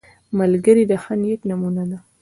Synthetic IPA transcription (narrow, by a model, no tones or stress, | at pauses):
malɡəɾid̪əxanjeknamunad̪a